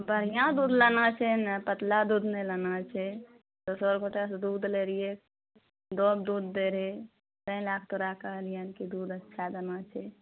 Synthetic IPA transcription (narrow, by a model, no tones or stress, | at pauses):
bʱəɾ̤ijãd̪ud̪lanat͡ʃʰɛnpət̪lad̪ud̪nelənat͡ʃʰɛ | d̪osəɾɡoʈasd̪ud̪leɾije | d̪ob̚d̪ud̪ːeɾɦe | t̪ə̃ĩlakʰt̪oɾakəɦlijənkid̪ud̪ətːʃʰad̪ənat͡ʃʰɛ